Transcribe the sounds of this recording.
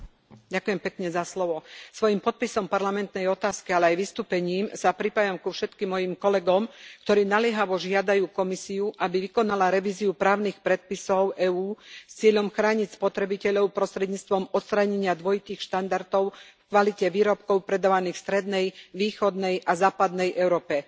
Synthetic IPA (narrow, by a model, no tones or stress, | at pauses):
ɟakujɛmpɛkɲɛzaslɔʋɔsʋɔjimpɔt̪̚pisɔmpaɾlamɛnt̪nɛjɔt̪aːskialɛajʋist̪uːpɛɲiːmsapɾipajamkufʃɛt̪kimːɔjimkɔlɛɡɔmkt̪ɔɾiːnalɪɛɦaʋɔʒɪad̪ajuːkɔmisiuʔabiʋikɔnalaɾɛʋiːziupɾaːʊnixpɾɛt̪̚pisɔʊɛːuːst͡sɪɛʎɔmxɾaːɲicspɔt̪ɾɛbicɛʎɔʊpɾɔst̪ɾɛd̪ɲiːt͡st̪ʋɔmɔt̪st̪ɾaɲɛɲɪad̪ʋɔjit̪iːxʃt̪and̪aɾt̪ɔʊfkʋalicɛʋiːɾɔp̚kɔʊpɾɛd̪aʋaniːxfst̪ɾɛd̪nɛjʋiːxɔd̪nɛjʔazaːpad̪nɛjʔɛʊɾɔːpɛ